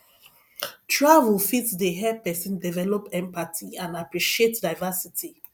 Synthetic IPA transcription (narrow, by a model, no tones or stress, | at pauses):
tʰɹavulfitdəɦɛpɛsĩndivɛlɔpɛ̃mpatʰiãnapɹiʃietdaɪvasitʰi